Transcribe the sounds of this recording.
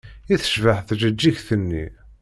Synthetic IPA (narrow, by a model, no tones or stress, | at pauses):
iθə̥ʃvəħθʒəd͡ʒːiçθənːḭ